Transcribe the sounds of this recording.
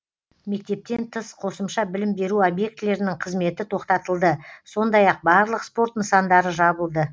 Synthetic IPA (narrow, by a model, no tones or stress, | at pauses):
me̞k̚t̪e̞p̚t̪e̞nt̪ʰəsqʰo̞səmʃɑbɪlɪmbe̞ɾuobje̞k̚t̪le̞ɾɪnɪŋqʰəzme̞t̪ɪt̪ʰo̞qt̪ɑt̪əlˠd̪əso̞nd̪ɑjɑq̚bɑɾlˠəqspo̞rt̪nəsɑnd̪ɑɾəʒɑbəlˠd̪ə